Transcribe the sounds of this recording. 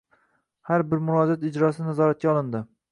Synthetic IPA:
haɾbɪɾmʊɾɒd͡ʒat̪ɪd͡ʒɾɒsɪnazɒɾat̪̚kʲaɒlˠɪnd̪ɪ

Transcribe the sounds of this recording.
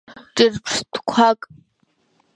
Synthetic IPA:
ʈ͡ʂʼɨrpʰʂtʰkʷʰakʼ

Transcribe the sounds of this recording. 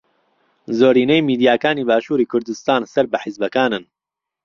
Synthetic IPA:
zoːɾiːnejmiːd̪ijaːkaːniːbaːʃuːɾiːkʰʊɾd̪ɨst̪aːnsɐɾbɐħɪzbɐkaːnɨn

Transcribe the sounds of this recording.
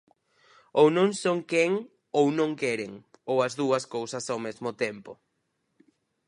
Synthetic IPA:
ownõŋsoŋkɛŋ | ownõŋkɛɾeŋowɐzðuɐskowsɐsawmezmʊt̪ɛmpo

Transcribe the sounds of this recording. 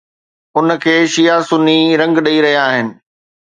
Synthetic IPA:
ʊnkʰeːʃijasʊniɾɐ̃ŋɡɗɐiɾɐɦijaːɦɪnɪ̆

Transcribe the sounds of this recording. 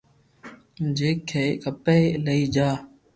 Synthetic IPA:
d͡ʒeːkʰːeːkəpeːləiːd͡ʒaː

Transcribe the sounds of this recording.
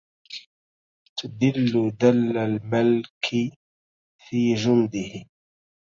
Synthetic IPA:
t̪ad̪ɪlːʊd̪alːalmalkʰɪ | fiːd͡ʒʊnd̪ɪhɪ

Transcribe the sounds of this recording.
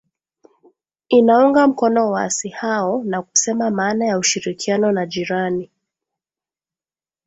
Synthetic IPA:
inauŋɡam̩kɔnɔwa̰sihaɔnaku̥sɛmamaːnajauʃiɾikianɔnaʄiɾani

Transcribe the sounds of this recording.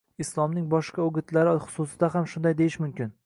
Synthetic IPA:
ɪslˠɒmnɪŋbɒʃqaʊɡʲɪt̪ʰlaɾɪχʊ̥sʊsɪd̪aɦamʃʊnd̪ajd̪ejɪʃmʊmkʲɪn

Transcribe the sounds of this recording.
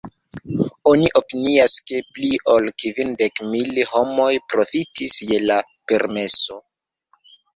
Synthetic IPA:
o̞niʔo̞piniaske̞pliʔo̞lkivinde̞kmilho̞mo̞jpɾo̞fitisje̞la | pe̞ɾme̞so̞

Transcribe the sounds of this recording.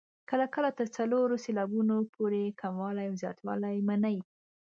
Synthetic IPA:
kəlakəlat̪əɾt͡saloɾoselɑbunopʰoɾekʰamwɑlajawzjɑ̰t̪wɑ̰lajmanaj

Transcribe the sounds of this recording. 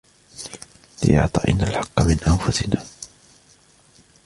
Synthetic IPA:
lɪ̰ʔɑ̰ʕt̪ˤɑːʔɪ̰nːalħɑqːɑmɪnʔanfʊsɪnaː

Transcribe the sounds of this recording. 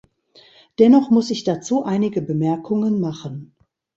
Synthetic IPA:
d̥ɛnɔχmʊsɪçd̥at͡suːʔaɪnɪɡəbəmɛɐkʰʊŋənmaχən

